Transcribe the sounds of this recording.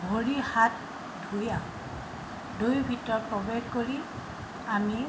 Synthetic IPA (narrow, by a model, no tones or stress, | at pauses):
bʱoɹihat | dʱuja | dojbʱitɔɹpɹɔbexkoɹi | ami